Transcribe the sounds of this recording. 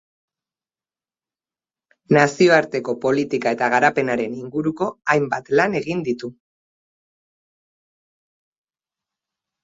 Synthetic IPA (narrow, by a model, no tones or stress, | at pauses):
nasio̞aɾt̪e̞ko̞po̞lit̪ikaet̪aɣaɾape̞naɾe̞niŋɡuɾuko̞ajmbat̪lane̞ɣind̪it̪u